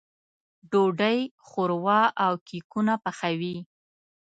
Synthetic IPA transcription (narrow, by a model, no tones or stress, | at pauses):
ɖoɖəj | xoɾwɑʔawkikunapaxawi